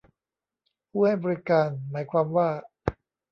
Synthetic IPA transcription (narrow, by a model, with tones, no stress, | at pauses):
pʰuː˥˩ha˥˩jbɔː˧ɾi˦˥kaː˧nmaː˩˦jkʰwaː˧mwaː˥˩